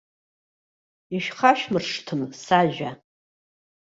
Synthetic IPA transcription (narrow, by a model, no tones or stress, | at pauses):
iʃᶣχaʃᶣmɨrʂtʰɨmsaʒʷᶣa